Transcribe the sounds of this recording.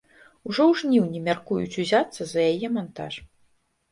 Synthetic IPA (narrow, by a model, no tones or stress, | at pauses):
uʐɔwʐnʲiwnʲɛmʲarkujṵt͡sʲuzʲat̪sːɐzɐjajɛmant̪a̰ʂ